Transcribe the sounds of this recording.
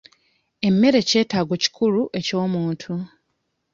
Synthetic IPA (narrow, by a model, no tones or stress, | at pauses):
e̞mːe̞ɾe̞ce̞ːtaːɡwo̞ci̥kʰuluʔe̞co̞ːmuːntʰu